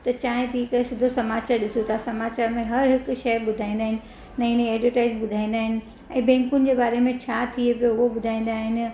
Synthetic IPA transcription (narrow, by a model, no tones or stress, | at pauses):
t̪ɐt͡ɕãːɦɪ̃biɪkesɪd̪ʱosɐmaːt͡ɕaːɾɗɪsot̪ʰasɐmaːt͡ɕaːɾmẽɦɐɾɦɪk̆ʃɐjɓʊd̪ʱãːĩnd̪aːɦɪnɪ̆ | nɐ̃ɪnẽɛːʈʋəʈaːɪd͡ʑɓʊd̪ʱaːĩnd̪aːɦɪnɪ̆ | ɛ̃ːbɛ̃ːŋkʊnɪ̆d͡ʑeːbaːɾemẽt͡ɕʰaːt̪ʰiepɪoʊɦoɓʊd̪ʱaːĩn̆d̪aːɦɪnɪ̆